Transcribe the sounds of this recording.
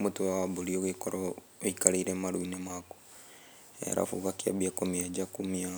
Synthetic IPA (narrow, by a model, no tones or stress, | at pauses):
mutuwawabulioɣikoɾo | ikaliɾemaɾuinemako̥ | ḛɾa̰fṵkakja̰bjakomied͡ʒakumia